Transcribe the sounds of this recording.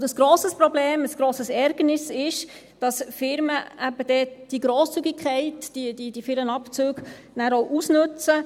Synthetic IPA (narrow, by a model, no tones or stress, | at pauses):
dəsɡ̥ɾoːsəspɾɔbleːməsɡ̥ɾoːsəsɛɾɡ̥ənɪsɪʃ | d̥ɑsfɪɾməæbəd̥ɛd̥iɡɾoːst͡syɡɪkʰɛɪtd̥idid̥ifɪɾmənɑpt͡søːɡ̥ | næːɾowʔusnʉt͡sə